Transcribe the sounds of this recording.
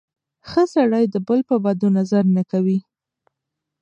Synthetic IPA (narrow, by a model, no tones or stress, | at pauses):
xəsaɽɑjd̪əbəlpəbad̪onazaɾnakawi